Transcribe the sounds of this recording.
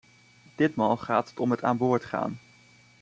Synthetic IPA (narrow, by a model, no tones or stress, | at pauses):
d̥ɪtmaːlˠχaːtɦətɔmɦətaːnbʊːɹtχa̰ːn